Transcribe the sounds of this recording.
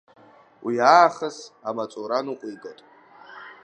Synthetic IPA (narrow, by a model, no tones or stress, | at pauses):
wʔijaːχəsamat͡sʼoɾanuqʷʼijɡʼɐtʼ